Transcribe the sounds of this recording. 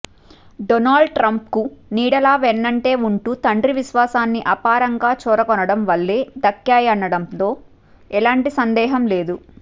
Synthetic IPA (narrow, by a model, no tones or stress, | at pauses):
ɖonaːɭɖʈɾɐmp̚kuniːɽɐlaːʋɛnːɐɳʈe̞ːuɳʈuːt̪ɐɳɖɾiʋiʃʋaːsaːnːiʔɐpaːɾɐŋɡaːt͡ʃɔːɾɐkɔnɐɽɐmʋɐlːeːd̪ɐkːjaːjɐnːɐɽɐmt̪o̞ː | ɛlaːɳʈisɐnd̪ɛːɦɐmle̞ːd̪u